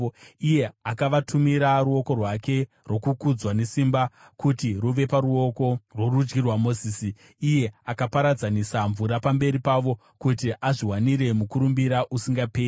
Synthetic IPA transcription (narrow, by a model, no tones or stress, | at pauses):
ije̞akaʋatʰumiɾaruo̞ko̞rwake̞ | rwo̞kukud͡zwane̞simba | kutiruʋe̞paɾuoko̞rworud͡ʒɡirwamo̞ziːsiː | je̞akapaɾad͡zanisaɱvuɾapambe̞ɾipaʋo̞ | kutiʔaʐiwaniɾe̞mukuɾumbiɾaʔusiŋɡapeː